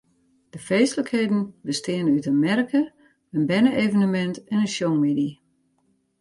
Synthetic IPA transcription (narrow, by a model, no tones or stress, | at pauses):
d̥əfeːstləkheːdn̩bəstɪːənəytənmɛrkʰə | ənbɛnəʔevənəmɛntɛnəʃɔŋmidi